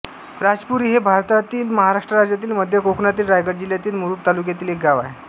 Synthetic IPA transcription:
ɾad͡zpuɾiːɦebʱaɾt̪at̪iːlməɦaɾaʂʈɾəɾad͡ʑjat̪iːlməd̪ʱjəkoknat̪̬iːlɾajɡəɽd͡ʑiljat̪iːlmuɾuːʈ̚t̪alukjat̪iːlek̚ɡaʋa̰ɦe

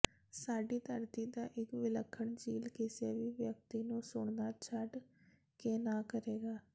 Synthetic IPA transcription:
saːɖiːt̪əɾt̪iːd̪aːʔɪkʋɪləkʰːəɳd͡ʒiːlkɪseːʋiːʋjək̚t̪iːnũːsʊɳnaːt͡ʃʰəɖ | keːnaːkəɾeːɡaː

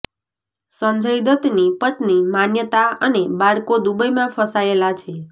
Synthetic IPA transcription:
səɲd͡ʒəjd̪ət̪nipət̪nimanjət̪aənebaɽkod̪ubəjmãfʰəsaelat͡ʃʰe

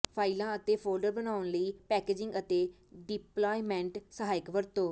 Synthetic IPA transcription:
pʰaːilãːət̪eːpʰoːlɖəɾbənaːʊnləiːpɛːkeːd͡ʒɪ̃ŋɡət̪eː | ɖɪplaːimɛ̃ːɳʈsəɦaːɪkʋəɾt̪õː

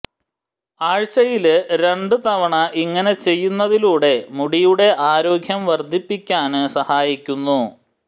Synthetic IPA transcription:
aːɻt͡ɕːɐjilɾe̞ɳɖɨt̪ɐʋɐɳɐʔiŋːɐne̞t͡ɕe̞jːunːɐðiluːɽe̞muɽijuɽe̞ʔaːɾo̞ːɡʱjɐmʋɐrd̪ʱipːikʲːaːnsɐhaːjikʲːunːu

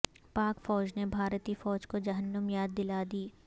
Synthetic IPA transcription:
paːkfɔːd͡ʒnebʱaːɾt̪iːfɔːd͡ʒkod͡ʒɐɦənːəmjaːd̪̚ːɪlaːd̪iː

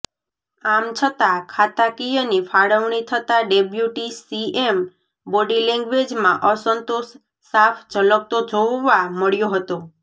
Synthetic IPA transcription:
amt͡ʃʰət̪akʰat̪akijənifaɽəʋɳit̪ʰət̪aɖebjuʈisiem | boɖilɛ̃ŋɡʋed͡ʒmãʔəsənt̪osː | afʰd͡ʒʱələk̚t̪od͡ʒʱoʋʋaməɭjoɦət̪o

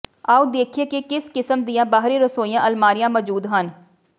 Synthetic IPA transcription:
aːuːd̪eːkʰeːkekɪskɪsəmd̪ijãːbaːɦɾeːɾəsoːijãːʔəlmaːɾɪjãːməd͡ʒuːd̪ɦən

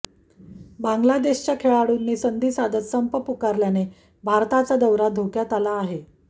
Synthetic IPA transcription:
bãŋɡlad̪eɕt͡ɕakʰeɭaɽuːnːiːsənd̪ʱiːsad̪ət̪səmpəpukaɾljane | bʱaɾt̪at͡sad̪əwɾad̪ʱokjat̪alaːɦe

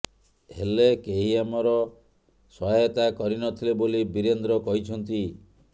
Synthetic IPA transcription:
ɦelekeɦiamɔɾɔ | sɔɦajɔt̪akɔɾinɔt̪ʰilebolibiɾend̪ɾɔkɔɦit͡ʃʰɔnt̪i

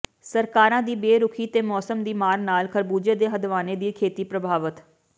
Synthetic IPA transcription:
səɾkaːɾãːd̪iːbeːɾʊkʰiːt̪eːmɔːsəmd̪iːmaːɾnaːlkʰəɾbuːd͡ʒeːd̪eːɦəd̪ʋaːneːd̪iːkʰeːt̪iːpɾəbʱaːʋət̪

